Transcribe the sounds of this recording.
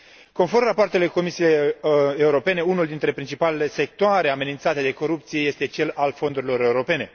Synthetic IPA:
ko̞nfo̞rmrapoart̪e̞le̞ko̞misijeeuɾo̞pe̞ne̞unuld̪int̪ɾe̞pɾint͡ʃipale̞le̞se̞k̚t̪oaɾe̞ame̞nint̪sat̪e̞d̪e̞ko̞ɾup̚t̪sije̞je̞st̪e̞t͡ʃe̞lalfo̞nd̪uɾilo̞ɾe̞uɾo̞pe̞ne̞

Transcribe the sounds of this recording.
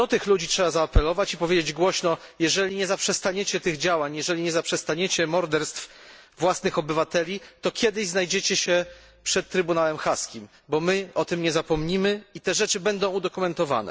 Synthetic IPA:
d̪ɔt̪ɘxlud͡ʑitʂɛbazaːpɛlɔvat͡ɕipɔvʲed͡ʑed͡ʑɡwɔɕnɔjɛʐɛlʲiɲɛzapʂɛst̪aɲet͡ɕɛt̪ɘɣd͡ʑawaɲjɛʐɛlʲiɲɛzapʂɛst̪aɲet͡ɕɛmɔɾd̪ɛɾst̪fvwasnɘxɔbɘvat̪ɛlʲit̪ɔkʲjɛd̪ɘʑznajd͡ʑet͡ɕɛɕɛ | pʂɛt̪̚tːɾɘbunalɛmxaskʲim | bɔmɘɔt̪ɘmɲɛzapɔmɲimɘit̪ɛʐɛt͡ʂɘbɛnd̪ɔ̃w̃ud̪ɔkumɛnt̪ɔva̰nɛ̰

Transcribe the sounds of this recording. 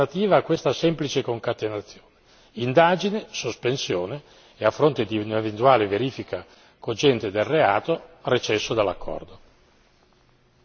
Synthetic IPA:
at̪iːvaːkːwest̪asɛmplit͡ʃekoŋkat̪enat̪sːjoːne | ind̪aːd͡ʒinesospensjoːne | eafːɾont̪ed̪iunevent̪uaːleveɾiːfika | kod͡ʒɛnt̪ed̪elrea̰ːt̪oret͡ʃɛsːod̪alːa̰kːɔ̰rd̪o

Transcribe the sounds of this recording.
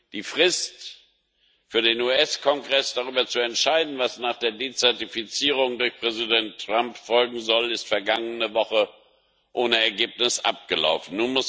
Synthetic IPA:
d̥iːfʁ̥ɪst | fyːɐdeːnuːɛskʰɔŋɡʁɛsd̥aʁyːbɐt͡suɛntʃaɪdn̩vasnaːχd̥eːɐdeːt͡sɛɐtifit͡siːʁ̞ʊŋdʊɐçpʁ̥ɛzidɛntʁ̥ampfɔlɡŋ̩zɔlɪstfɛɐɡaŋənəvɔχə | ʔoːnəɛɐɡeːpnɪsʔa̰p̚ɡ̥əla̰ʊfn̩ːuːnmʊs

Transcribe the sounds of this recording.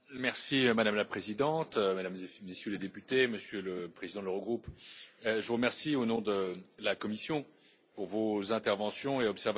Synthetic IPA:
mɛʁsimad̪amlapχezid̪ɑ̃t̪ømad̪ammesjøled̪epyt̪eməsjøləpχezid̪ɑ̃d̪ləʁəɡʁup | ʒəvuʁəmɛʁsionɔ̃d̪əlakɔmisjɔ̃ | puʁvozɛ̃t̪ɛʁvɑ̃sjɔ̃eɔpsɛʁv

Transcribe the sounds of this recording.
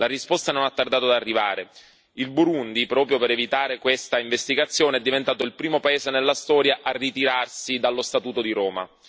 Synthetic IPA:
larispɔst̪anonat̪ːard̪aːt̪od̪arːiva̰ːɾe | ilbuɾund̪ipɾɔːpɾjopeɾevit̪aːɾekwest̪aiɱvest̪iɡat̪sːjoːneɛd̪ːivent̪aːt̪oilpɾiːmopaeːzenelːast̪ɔːɾjaʔarːit̪iɾarsid̪alːost̪at̪uːt̪od̪iɾɔːma̰

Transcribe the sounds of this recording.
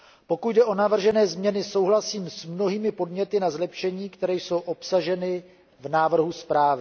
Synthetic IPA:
po̞kut̪dɛʔo̞navr̩ʒɛnɛːzmɲɛnɪso̞wɦlasiːmsmno̞ɦiːmɪpo̞dɲɛt̪ɪnazlɛpʃɛɲiːkt̪ɛɾɛːjso̞wʔo̞psaʒɛnɪ | vnaːvr̩ɦuspɾaːvɪ

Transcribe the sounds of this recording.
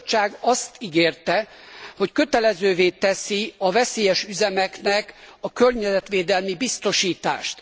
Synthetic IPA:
t͡ʃːaːɡɒst̪iɡeːrt̪ɛ | ho̞ckø̞t̪ɛlɛzøːveːt̪ɛsiɒvɛseːjɛʃyzɛmɛknɛkɒkørɲɛzɛt̪ʋeːd̪ɛlmibist̪o̞ʃiːt̪a̰ːʃt̪

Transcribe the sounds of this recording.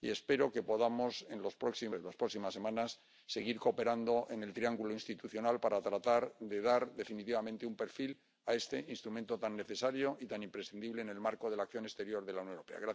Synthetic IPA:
ḭe̞spe̞ɾo̞ke̞po̞ðamo̞se̞nlo̞spɾo̞ksilaspɾo̞ksimasːe̞mãnasː | e̞ɣ̞iɾko̞pe̞ɾand̪o̞ʔe̞ne̞lt̪ɾiaŋɡuloinst̪it̪uθjo̞nalpaɾat̪ɾat̪aɾðe̞ð̞aɾðe̞finit̪iβamẽnt̪eumpe̞ɾfil | ae̞st̪e̞ʔinst̪ɾumẽnt̪o̞t̪anːe̞θe̞saɾjoʔit̪anĩmpɾe̞sθind̪iβle̞ːne̞lmaɾko̞ðe̞lakθjo̞ne̞st̪e̞ɾjo̞ɾðelaunjoneope̞̰a̰ɣɾa

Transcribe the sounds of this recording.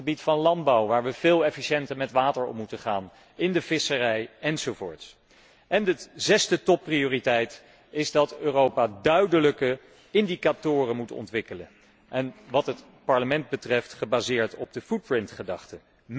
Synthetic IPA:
əbitfɑnlɑndbɑwʋaːɹʋəv̥ɪːlˠɛfiʃɛntəmɛtʋaːtəɹɔ̰mːutəχaːn | ɪndəvɪsərɛjɛnzowvʊ̰ːɹts | ʔɛnəzɛsdətɔpːriʊːritɛjt | ɪzdɑtøːrowpadœɥdələkə | ɪndikatʊːrənmutɔ̰ntʋɪkələ | ʔɛnʋɑtɦət | pɑɹləmɛnd̚bətrɛftχəbaːzɪːɹtɔb̚dəfut̚pɹɪntχədɑχtə | m

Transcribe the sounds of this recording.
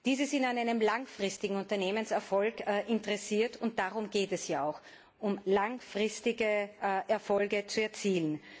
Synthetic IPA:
d̥iːzɪzɪntanaɪnəmlaŋfʁ̥ɪstɪɡŋ̩ʊ̃ntɐneːmənsɛɐfɔlkːʔɪntəʁɛsiːɐtʰʊnt̚d̥aʁʊmɡ̥eːtɛsjaːaʊx | ʔʊmlaŋfʁ̥ɪstɪɡəʔɛɐfɔlɡət͡suɛɐt͡siːlən

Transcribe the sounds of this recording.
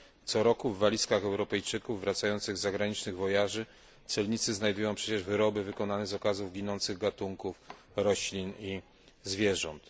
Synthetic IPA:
t̪sɔɾɔkuvːalʲiskaxɛwɾɔpɛjt͡ʂɘkuvːɾat̪sajɔnt̪sɘɣzaɡɾaɲit͡ʂnɘɣvɔjaʐɘ | t̪sɛlɲit̪sɘznajd̪ujɔ̃w̃pʂɛt͡ɕɛʐvɘɾɔbɘvɘkɔnanɛzɔkazuvɡʲinɔnt̪sɘɣɡat̪uŋkuf | ɾɔɕlʲini | zvʲjɛʐɔnt̪

